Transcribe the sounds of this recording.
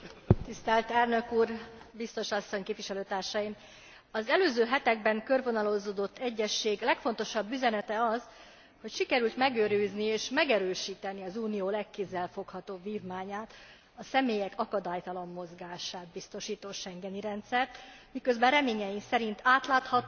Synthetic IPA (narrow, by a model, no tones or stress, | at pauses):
t̪ist̪ɛlt̪ɛlnø̞kuːrbist̪o̞ʃɒsːo̞ɲkeːpviʃɛløːt̪aːrʃɒjim | ɒzɛløːzøːɦɛt̪ɛɡbɛŋkø̞rvo̞nɒlo̞zoːd̪o̞t̪ːɛɟːɛʃːeːɡlɛkfo̞nt̪o̞ʃɒbːyzɛnɛt̪ɛɒz | ho̞cʃikɛɾylt̪mɛɡøːɾyːznieːʃmɛɡɛɾøːʃiːt̪ɛniɒzuːnijoːlɛkːezːɛlfo̞khɒt̪oːbviːvmaːɲaːt̪ | ɒsɛmeːjɛkʰɒkɒd̪aːjt̪ɒlɒmːo̞zɡaːʃaːt̪̚bist̪o̞ʃiːt̪oːʃɛŋɡɛniɾɛnt̪sɛrt̪mikø̞zbɛrɛmeːɲɛjimsɛɾint̪ʰaːt̪laːt̪hɒt̪ː